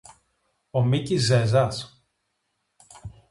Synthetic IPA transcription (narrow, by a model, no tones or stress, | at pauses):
omicizezɐs